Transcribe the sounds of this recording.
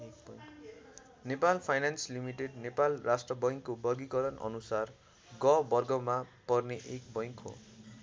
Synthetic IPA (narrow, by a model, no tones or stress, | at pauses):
ek̚bʌj | nepalpʰajnanslimiʈeɖnepalrasʈrʌbʌj̃ŋkːobʌrɡikʌɾʌnʔʌ̰nusar | ɡʌbʌrɡʌmapʌrneʔek̚bʌj̃ŋkɦo̰